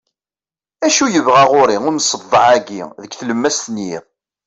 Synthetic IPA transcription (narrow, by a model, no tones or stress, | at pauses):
æʃujəvʁæʁʊɾiʊməsˤːəvˤːəʕæɡiðəkθləmːæst̪ənjiʁ